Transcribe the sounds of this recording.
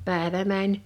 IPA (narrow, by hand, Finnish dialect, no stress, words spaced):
pæˑeʋæ mænʲ